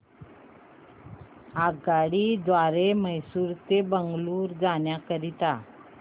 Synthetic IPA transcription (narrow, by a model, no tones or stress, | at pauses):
aɡaɽiːd̪ʋaɾeməjsuːɾt̪ebəŋɡluːɾd͡zaɳjakəɾit̪a